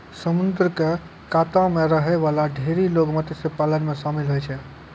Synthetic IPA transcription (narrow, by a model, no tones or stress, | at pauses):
səmund̪ɾəke | kat̪ãmeɾəɦɛβalaɖʱeɾilokmət̪jsepalənmesamilɦojt͡ʃʰɛ